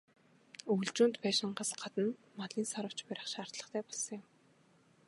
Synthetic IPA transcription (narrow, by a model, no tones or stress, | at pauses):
uɮt͡ɕuːnt̪pæːʃɪ̆ɴɢaːsɢ̥at̪ə̆nmaɮiːnsɔɾə̆w̥t͡ɕpæɾə̆χʃaːr̥t̪ɮə̆χt̪ʰæːpɔɮsɞ̃̆ŋjʊm